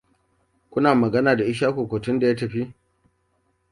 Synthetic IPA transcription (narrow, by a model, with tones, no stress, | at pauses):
kʷʊ˦naː˨mɐ˨ɡɐ˦naː˨da˨ʔɪ˦ʃ̬aː˦kʷoː˨kʷoː˨tʊ˦nda˨ja˦tɐ˨ɸi˦